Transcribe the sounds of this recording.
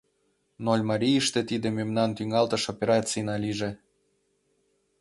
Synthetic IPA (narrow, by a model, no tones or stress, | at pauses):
nolʲmɑɾʲijəʃt̪ĕt̪id̪ememnɑnt̪yŋɑlt̪ə̆ʃopʲeɾɑt͡sijnɑlʲiʒe